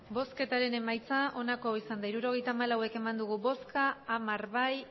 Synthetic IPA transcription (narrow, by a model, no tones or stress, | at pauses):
bo̞ske̞t̪aɾe̞ne̞majt͡saʔo̞nako̞isand̪aiɾuɾo̞ɣ̞e̞jt̪aːmalawe̞ke̞mand̪uɣubo̞skaːmaɾβaj